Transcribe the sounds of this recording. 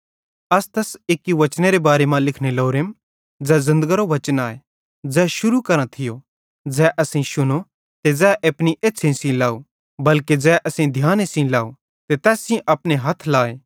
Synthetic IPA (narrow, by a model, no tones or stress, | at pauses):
ɐst̪ɐseːkːiʋɐt͡ʃneɾebaːɾemãlɪkʰneloːɾem | d͡zɛzɪ̃nd̪əɡəɾoʋɐt͡ʃənaːe | d͡zɛːʃʊɾukɐɾə̃t̪ʰɪjo | d͡zɛːʔɐsĩʃʊno | t̪ed͡zɛːʔɐpniʔeːtːsʰẽsĩlaːu | bɐlked͡zɛːʔɐsĩd̪ʱjaːnesĩlaːo | t̪et̪ɛːsĩʔɐpneɦɐt̪ʰlaːeː